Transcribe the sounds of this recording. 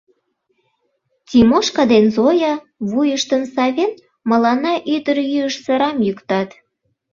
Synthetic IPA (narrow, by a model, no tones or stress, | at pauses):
tʲimoʃkɑd̪enzojɑ | βujəʃt̪ənsɑβʲen | məlɑnɑʔyd̪əɾjyəʃsəɾɑmjykt̪ɑt̪